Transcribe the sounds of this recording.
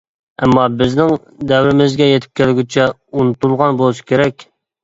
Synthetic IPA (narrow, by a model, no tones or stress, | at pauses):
ɛmːɑbɪznɪŋ | d̪ɛwɾɪmɪzɡʲɛjet̪ʰɪ̥p̚kʲælɡʲit͡ʃʰɛ | unut̪ulˠʁɑnbolˠuʃi̥kʲʰeɾɛkʲ